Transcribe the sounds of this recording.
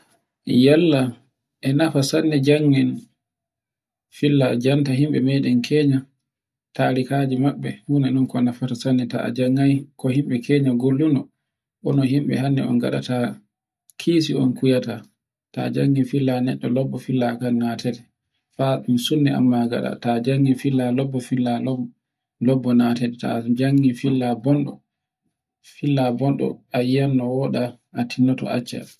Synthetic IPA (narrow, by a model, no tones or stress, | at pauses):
jalːa | ʔɛnafasanːɛd͡ʒaŋːɛn | filːad͡ʒantaɦimɓɛmɛɗɛnkʰɛɲa | taɾikad͡ʒimaɓːɛhuːnanɔnkɔnafatasanːɛta̰a̰d͡ʒaŋːajkɔhimɓɛkʰɛːɲaɡolːunɔ | ʔɔnɔɦimɓɛ̰ɦanːɛ̰ɔ̰nɡa̰ɗa̰ta | kʰiːs̬iɔnkujata | ta̰d͡ʒaŋːifilːanɛɗːɔlɔbːɔfilːakannatɛdɛ | faumsunːia̰mːaɡa̰ɗa̰tad͡ʒaŋːifilːalɔbːɔfilːalɔ | lɔbːɔnatɛdɛta̰d͡ʒaŋːifilːabɔnɗɔ | filːabɔnɗɔ̰ajanːɔwɔɗa | atʰinːɔtɔ̰a̰t͡ʃːa̰